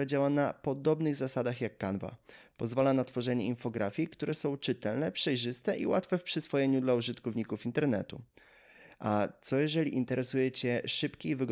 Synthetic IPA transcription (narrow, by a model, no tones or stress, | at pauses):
ad͡ʑawanapɔd̪ɔbnɘɣzasad̪axjakːanva̰pɔzvalanat̪fɔʐɛɲɛinfɔɡɾʔafʲjikt̪uɾɛsɔ̃w̃t͡ʂɘt̪ɛlnɛpʂɛjʐɘst̪ɛʔḭwat̪fɛfpʂɘsfɔjɛɲud̪lauʐɘt̪kɔvɲikufint̪ɛɾnɛ̰t̪ṵ | ʔat̪sɔjɛʐɛlʲiʔint̪ɛɾɛsujɛt͡ɕɛʂɘpkʲeivɘɡ